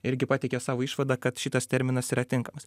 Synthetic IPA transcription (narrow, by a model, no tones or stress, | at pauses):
ɪɾʲɡʲɪpɑːtʲɛɪkʲɛsɑːʋoːiːʃʋɐd̪ɑːkɐt̪ʃʲɪt̪ɐst̪ʲɛɾʲmʲɪnɐsiːɾɐt̪ʲɪŋkɐmɐs